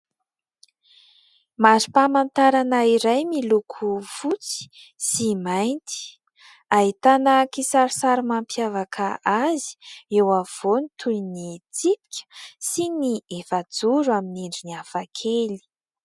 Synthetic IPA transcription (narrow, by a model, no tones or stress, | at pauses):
maɾipamant̪aɾanaiɾajmilukʰufut͡si̥ | simajnt̪i̥ | aɦit̪anakisaɾisaɾimampjavakʰaazi̥ewav̥onit̪ʰunit͡sipi̥kʲə̥siniefad͡zuɾuaminiɳɖ͡ʐiniafakʰeli̥